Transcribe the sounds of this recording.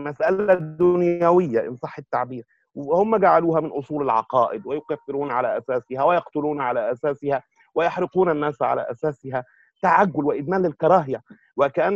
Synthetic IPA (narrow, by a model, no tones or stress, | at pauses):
mæsʔalæd̪ːʊnjæwɪjːaʔɪ̰nsˤɑħːɪt̪ːaʕbiːɾ | whʊmːæɡaʕaluːhæmɪnʔosˤuːlɪlʕɑ̰qɑːʔɪd̪wɪjʊkæθːɪɾuːnʕalæːʔæsæːsɪhæwɪjɑqt̪ʊluːnʕalæːʔæsæːsɪhæ | wɪjɑħɾɪquːnænːæːsʕa̰læ̰ːʔæsæːsɪɦæ | t̪aʕaɡːʊlwɪʔɪd̪mæːnlːɪlkɑɾˤɑːɦjæ | wɪkæʔænː